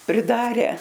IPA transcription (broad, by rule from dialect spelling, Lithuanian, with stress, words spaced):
pʲrʲɪˈdɑːrʲɛ